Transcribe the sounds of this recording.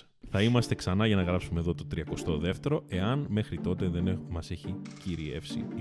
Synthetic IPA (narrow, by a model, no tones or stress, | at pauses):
θɐimɐst̪e̞ksɐnɐʝɐnɐɣɾɐpsume̞ðo̞t̪o̞t̪ɾiɐko̞st̪oðe̞ft̪e̞ɾo̞ʔe̞ɐnme̞xɾit̪o̞t̪e̞ðenmɐse̞çiciɾiḛfsḭ